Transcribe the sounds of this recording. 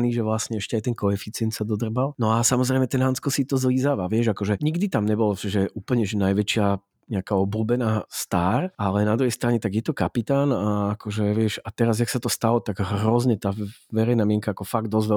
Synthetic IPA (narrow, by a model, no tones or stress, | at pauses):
niʒɛʋlasɲɛɛʃcɛajt̪ɛnkɔɛfit͡sɪɛnt̪sad̪ɔd̪r̩balnɔasamɔzɾɛɪmɛt̪ɛnɦant͡skɔsit̪ɔzliːzaːʋaʋɪɛʒakɔʒɛɲiɡd̪it̪amɲɛbɔlɔt͡ʃɛʒɛʔuːpl̩ɲɛʒɛnajʋɛt͡ʃɪa | ɲɛakaːɔbluːbɛnaːst̪aːɾalɛnad̪ɾuɦɛjst̪ɾaɲɛt̪aɡjɛt̪ɔkapit̪aːnaːkʰɔʒɛʋɪɛʃat̪ɛɾazaksat̪ɔst̪alɔt̪aɡɦɾɔzɲɛt̪aː | ʋɛɾɛjnaːmɪɛŋkaakɔfaɡ̚d̪ɔzʋɛ